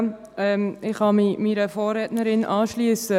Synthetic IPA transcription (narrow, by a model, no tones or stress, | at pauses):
ɛmɪχhɑmimiɾəfoːrɛːtnəɾɪnʔɑːʃliəsə